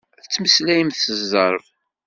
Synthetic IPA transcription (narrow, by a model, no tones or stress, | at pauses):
θət͡sːməslæjəmθəzːəɾˤv